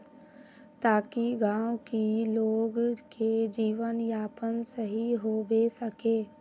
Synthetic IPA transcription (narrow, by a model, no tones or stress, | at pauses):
t̪aːkiɡãːwkiloːɡked͡ʒiːʋənjaːpənsəɦiɦoːbesɐkeː